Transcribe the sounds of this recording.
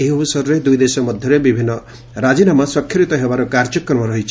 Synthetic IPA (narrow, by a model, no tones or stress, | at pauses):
eɦiɔbusɔɾɔɾed̪ujd̪esɔmɔd̪ʱjɔɾebibʱinːɔ | ɾad͡ʒinamaswɔkʰjɔɾit̪ɔɦebaɾɔkaɾd͡ʒɔkːɾɔɾmɔɾɔɦit͡ʃʰi̥